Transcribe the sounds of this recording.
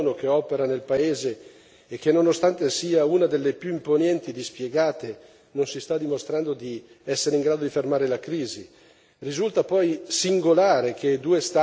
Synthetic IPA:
nokeɔːpeɾanelpaeːzeː | k̟ːenːonost̪ant̪esiːaunad̪elːepjuimponɛnt̪id̪ispjeɡaːt̪e | nonsist̪ad̪ːimost̪ɾand̪od̪i | ɛsːeɾeiŋɡɾaːd̪od̪ifermaːɾelakɾiːzi | rizult̪apɔjsiŋɡolaːɾekʰed̪uːest̪a

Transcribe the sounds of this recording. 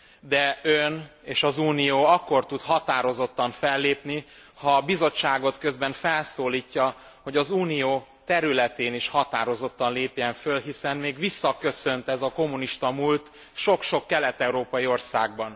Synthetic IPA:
d̪ɛøneːʃɒzuːnijoːɒkːo̞rt̪ut̪hɒt̪aːɾo̞zo̞t̪ːɒɱfɛlːeːpni | hɒbizo̞t͡ʃːaːɡo̞t̪kø̞zbɛɱfɛlsoːliːcːɒho̞ɟɒzuːnijoːt̪ɛɾylɛt̪eːniʃhɒt̪aːɾo̞zo̞t̪ːɒnleːpjɛɱfølɦisɛnmeːɡʋisːɒkøsø̞nt̪ɛzɒko̞mːuniʃt̪ɒmult̪ | ʃo̞kʃo̞kːɛlɛt̪ɛuɾoːpɒjio̞rsaːɡ̚bɒn

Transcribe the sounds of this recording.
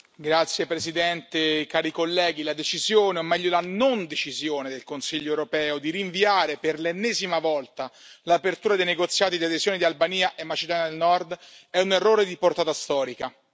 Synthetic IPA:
ɡɾat̪sːjepɾezid̪ɛnt̪ekaːɾikolːɛːɡ̟ilad̪et͡ʃizjoːneomːɛʎːolanond̪et͡ʃizjoːned̪elkonsiʎːoewɾopɛːod̪iɾiɱviaːɾeperlenːɛːzimavɔlt̪alapert̪uːɾad̪ejneɡot̪sːjaːt̪id̪iad̪ezjoːnid̪ialbaniːaʔemːat͡ʃid̪ɔːnad̪elnɔrd̪ɛunerːoːɾed̪iport̪aːt̪ast̪ɔːɾika

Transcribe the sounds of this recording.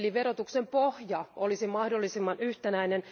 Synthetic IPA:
lːiʋerot̪uksempohjɑolisimɑhdolːisimːɑnyht̪enæinen

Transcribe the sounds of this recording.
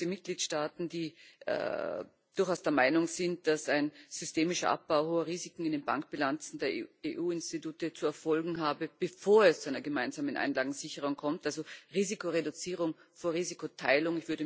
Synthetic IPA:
imɪt̚ɡ̥liːtʃtaːtn̩dḭː | d̥ʊɐxaʊsd̥eːɐmaɪnʊŋz̥ɪnt̚d̥asaɪnz̥ʏsteːmɪʃɐʔa̰p̚b̥aʊɦoːɐʁiːzɪkŋ̩ɪndeːnba̰ŋkb̥ɪlant͡sn̩deːɐeʔuːɪnstituːtət͡suɛɐfɔlɡŋ̩ɦaːbəb̥əfoːɐɛst͡suaɪnɐɡəmaɪnzaːmənʔa̰ɪnlaːɡŋ̩z̥ɪçəʁ̞ʊŋkʰɔmtʔalzoʁiːzikoʁedʊt͡siːʁ̞ʊŋ | foːɐʁiːzikotʰaɪlʊŋɪçv̥ʏɐɾə

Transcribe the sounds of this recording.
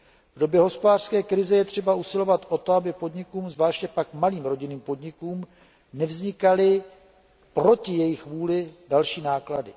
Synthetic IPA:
vdo̞bjɛɦo̞spodaːr̥skɛːkɾɪzɛjɛt̪r̥ɛbausɪlo̞vat̪ʔo̞t̪o̞abɪpo̞dɲɪkuːmzvlaːʃcɛpakmaliːmɾo̞ɟɪniːmpo̞dɲɪkuːm | nɛvzɲɪkalɪ | pɾo̞cɪjɛjɪxvuːlɪdalʃiːnaːkladɪ

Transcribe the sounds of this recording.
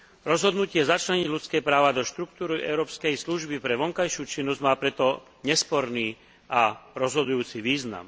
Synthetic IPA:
ɾɔzɦɔd̪nucɪɛzat͡ʃlaɲiɟʎut͡skɛːpɾaːʋad̪ɔʃt̪ɾuk̚t̪uːɾiʔɛ̰ʊɾɔːpskɛjsluʒbipɾɛʋɔŋkajʃuːt͡ʃinːɔzɟmaːpɾɛt̪ɔ | ɲɛspɔɾniː | aɾɔzɦɔd̪ujuːt͡siʋiːzna̰m

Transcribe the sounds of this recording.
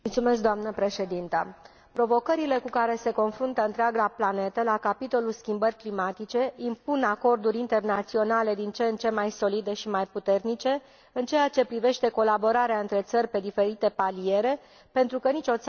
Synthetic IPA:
mult̪sume̞s̬k̚d̪oamnəpɾe̞ʃe̞d̪int̪ə̰ | pɾo̞vo̞kəɾile̞kukaɾe̞se̞ko̞nfɾunt̪əɨnt̪ɾʲaɡaplane̞t̪əlakapit̪o̞lulskʲimbərʲklimat̪it͡ʃe̞impunako̞rd̪uɾʲint̪e̞rnat̪sio̞nale̞d̪int͡ʃe̞nt͡ʃe̞majso̞lid̪e̞ʃimajput̪e̞rnit͡ʃe̞ | ɨnt͡ʃe̞jat͡ʃe̞pɾive̞ʃt̪e̞ko̞labo̞ɾaɾeaɨnt̪ɾe̞t̪sərʲpe̞d̪ife̞ɾit̪e̞palie̞ɾe̞ | pe̞nt̪ɾukənit͡ʃo̞t̪s

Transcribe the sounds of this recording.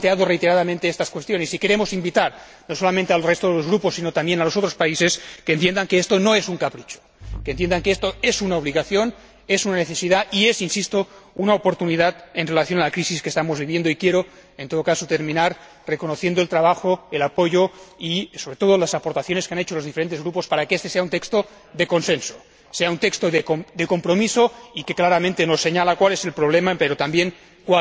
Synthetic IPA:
t̪eaðorejt̪e̞ɾaðamẽnt̪eest̪askwe̞st̪jo̞nesike̞ɾemo̞simbit̪aɾ | no̞so̞lamẽnt̪ealrest̪oðelo̞zɣɾuposːinot̪ambjenalo̞so̞t̪ɾospaise̞skent̪je̞nd̪aŋkeest̪o̞no̞esuŋkapɾit͡ʃo̥kent̪je̞nd̪aŋkeest̪oe̞sunaoβ̞liɣaθjo̞n | esunaneθesiðaie̞sinsist̪ounaopo̞ɾt̪uniðat̪enre̞laθjo̞nalakɾisiskest̪amozβiβje̞nd̪oikje̞ɾo | ent̪oðokasot̪e̞ɾmĩnaɾ | rekonoθjend̪oe̞lt̪ɾaβaxoelapo̞ʝoiso̞βɾet̪o̞ð̞olasapoɾt̪aθjo̞neskeanet͡ʃolozðifeɾe̞nt̪ezɣɾupospaɾakeest̪e̞seaunt̪ekst̪o | ðeko̞nsenso̥ | seaunt̪ekst̪oðekod̪eko̞mpɾomisoikeklaɾamẽnt̪enosːe̞ɲalakwalese̞lpɾoβ̞lemapeɾot̪ambjeŋ | kwa

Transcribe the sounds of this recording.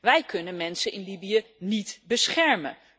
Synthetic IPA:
ʋɛjkɵnənmɛnsənʔɪnlibijənitbəsχɛɹmə̰n

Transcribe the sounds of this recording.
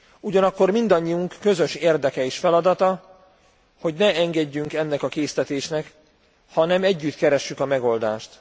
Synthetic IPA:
uɟɒnɒkːo̞rmind̪ɒɲːiuŋkːø̞zø̞ʃeːrd̪ɛkɛiʃfɛlɒd̪ɒt̪ɒ | ho̞ɟnɛɛŋɡɛɟːyŋkɛnːɛkɒkeːst̪ɛt̪eːʃnɛk | hɒnɛmɛɟːyt̪kɛɾɛʃːykɒmɛɡo̞ld̪aːʃt̪

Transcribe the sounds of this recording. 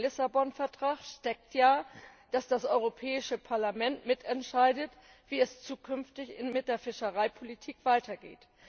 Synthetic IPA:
lɪsabɔnfɛɐtʁ̥aːχʃtɛk̚tjaːd̥asd̥asʔɔʏʁopʰɛːɪʃəpʰaɐlamɛntmɪtɛntʃaɪdət | v̥iːɛst͡suːkʰʏnftɪçɪmɪt̚d̥eːɐfɪʃəʁaɪpʰolitʰiːkv̥aɪtʰɐɡḛːt

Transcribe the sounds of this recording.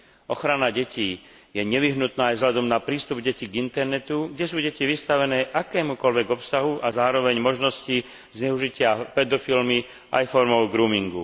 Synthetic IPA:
ɔxɾanaɟɛciː | jɛɲɛʋiɦnut̪naːjzɦlad̪ɔmnapɾiːst̪ubɟɛciɡint̪ɛɾnɛt̪uɡɟɛsuːɟɛciʋist̪aʋɛnɛːʔakɛːmukɔlʋɛɡɔpsaɦuʔazaːɾɔʋɛɲmɔʒnɔsci | zɲɛuʒicɪapɛd̪ɔfilmi | ʔa̰jfɔɾmɔʊɡɾuːmiŋɡṵ

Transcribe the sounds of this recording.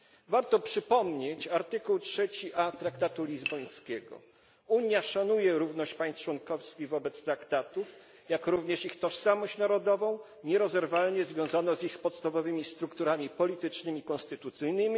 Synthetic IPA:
vaɾt̪ɔpʂɘpɔmɲet͡ɕaɾt̪ɘkuwtʂɛt͡ɕiʔat̪ɾakt̪at̪ulʲizbɔj̃skʲɛɡɔ̰ | uɲjaʂanujɛɾuvn̪ɔɕt͡ɕpaj̃st̪t͡ʂwɔnkɔfskʲiɣvɔbɛt̪st̪ɾakt̪at̪uf | jakɾuvɲɛʂixt̪ɔʂsamɔɕt͡ɕnaɾɔd̪ɔvɔ̃w̃ | ɲɛɾɔzɛɾvalɲɛzvʲjɔ̃w̃zanɔzixspɔt̪st̪avɔvɘmʲist̪ɾukt̪uɾamʲipɔlʲit̪ɘt͡ʂnɘmʲikɔnst̪ɘt̪ut̪sɘjnɘmʲi

